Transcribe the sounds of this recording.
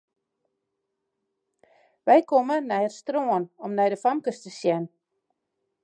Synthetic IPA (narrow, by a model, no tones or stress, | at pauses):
ʋɛjkomənɛjərstroənɔmnɛjdəfamkəstəsjɛn